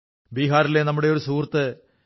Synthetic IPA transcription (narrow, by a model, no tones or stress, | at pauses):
biːɦaːɾile̞nɐmːuɽe̞o̞ɾusuːrt̪ːɨ